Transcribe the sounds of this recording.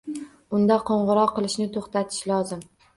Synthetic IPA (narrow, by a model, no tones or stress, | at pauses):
ʊnd̪aqʰɒɴʁʊɾɒqɨlˠɪʃnɪt̪ʰoχt̪at̪ʰɪ̥ʃlɒzɪm